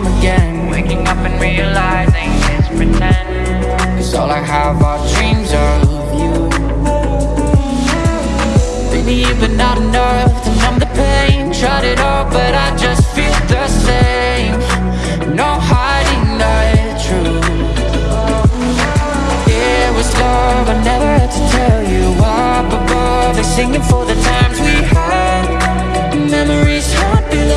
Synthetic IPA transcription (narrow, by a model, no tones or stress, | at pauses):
ɨɡɛ̃nweɪkɪ̃ŋʌpɨ̃nɹiɨlaɪzɪ̃ŋɪspʰɹɨtʰɛ̃nd | ʌzɔlˠaɪəvaʊə˞dɹĩmzə˞ʌvju | ɨnibɨnːəɾnə | θɨ̃nʌ̃mðəpʰẽɪ̃nʃʌɾɪɾɔlˠbʌɾaɪd͡ʒʌstfilˠðɨseɪ̃m | noʊhaɪɾɪ̃ŋðaɪtʰɹ̥ʉ | ɪ | wʌzlʌvaɪnɛvə˞æd̚tʰɨtʰɛlˠjɨwa | bʌt̚ba | bisɪ̃ŋɪ̃ŋfə˞ðɨtʰãɪ̃mzwihə | d | mɛmə˞iz̥həd̚bi